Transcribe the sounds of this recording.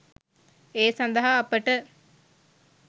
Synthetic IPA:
eːsɐnd̪ɐɦaːpəʈə

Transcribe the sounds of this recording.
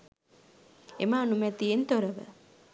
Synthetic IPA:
ḛmaːnumɛt̪ːient̪oɾəʋə̰

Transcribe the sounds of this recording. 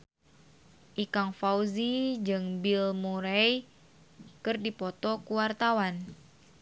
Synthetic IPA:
ʔikaŋfauzid͡ʒɨŋbilmuɾɛj | kɨrdipɔt̪ɔkuwart̪awan

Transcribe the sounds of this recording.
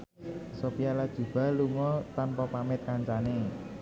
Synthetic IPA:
sopijalad̥ʒ̥ṳb̥a̤lumɔt̪anpɔpamɪt̪̚kaɲt͡ʃane

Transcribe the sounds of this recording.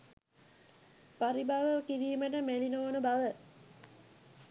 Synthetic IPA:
paɾibaʋəkiɾiːməʈ̬əmelinoːnəbaʋə

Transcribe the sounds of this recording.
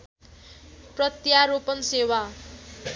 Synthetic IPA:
prʌt̪jaɾopʌnsewa

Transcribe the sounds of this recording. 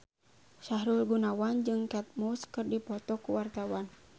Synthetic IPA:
ʃahɾurɡunawand͡ʒɨŋkɛt̪̚muskɨrdipɔt̪ɔkuwart̪awan

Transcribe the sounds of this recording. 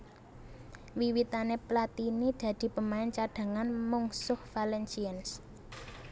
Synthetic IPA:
wiwit̪aneplat̪inid̪̥ä̤d̪̥i̤pəmaɪnt͡ʃaɖ̥ä̤ŋanmuŋsʊhfalɛnt͡ʃiəns

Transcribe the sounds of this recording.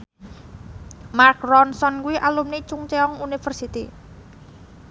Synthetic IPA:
mark̚rɔnsɔnkuwiʔalumnit͡ʃʊŋt͡ʃeɔŋunifərsit̪ḭ

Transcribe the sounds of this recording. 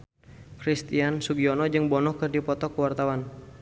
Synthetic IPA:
kɾist̪iansuɡiɔnɔd͡ʒɨŋbɔnɔkɨrdipɔt̪ɔkəwart̪awan

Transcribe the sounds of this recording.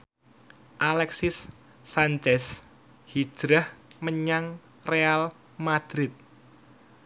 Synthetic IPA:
ʔalɛksɪsː | aɲt͡ʃɛs | hi̥ʒ̥ɾahməɲaŋ | real | mad̪̥ɾɪt̪̚

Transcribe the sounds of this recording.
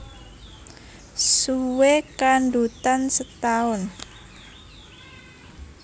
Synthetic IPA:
suwekanɖut̪ansət̪aʊn

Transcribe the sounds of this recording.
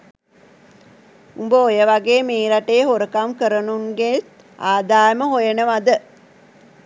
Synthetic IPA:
umbəojəʋaɡeːmeːɾaʈejːɦoɾəkamkəɾənuŋɡes | aːd̪aːjəməɦojənəʋad̪ə

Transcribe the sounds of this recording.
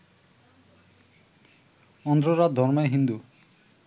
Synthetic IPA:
ɔnd̪ɾoɾad̪̚d̪ʱɔɾmaeɦind̪u

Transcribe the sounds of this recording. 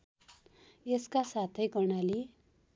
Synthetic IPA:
eskasat̪ʰʌjkʌɽ̃ali

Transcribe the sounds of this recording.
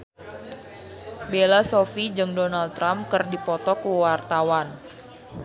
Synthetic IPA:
belasofid͡ʒɨŋdonalt̪ːɾamkɨrdipɔt̪ɔkuwart̪awan

